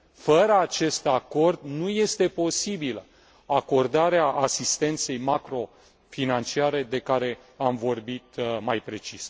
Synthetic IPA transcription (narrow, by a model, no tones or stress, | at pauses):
fəɾəat͡ʃe̞st̪ako̞rd̪nuje̞st̪e̞po̞sibilə | ako̞rd̪aɾeaʔasist̪e̞nt̪se̞jmakɾo̞ | finant͡ʃiaɾe̞d̪e̞kaɾe̞ | amvo̞rbit̪majpɾe̞t͡ʃis